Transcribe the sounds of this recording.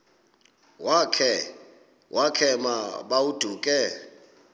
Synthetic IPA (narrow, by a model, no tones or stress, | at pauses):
wakʰɛ | wʔakʰɛmaɓaud̥ʱuːkʼɛ